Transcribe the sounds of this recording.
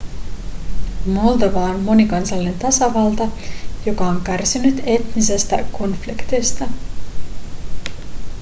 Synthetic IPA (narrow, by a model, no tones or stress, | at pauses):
mo̞ld̪oʋɑonmo̞nikɑnsɑlːine̞nt̪ɑsɑʋɑlt̪ɑjo̞kɑoŋkærsinyt̪e̞t̪nise̞st̪æko̞nflikt̪est̪ɑ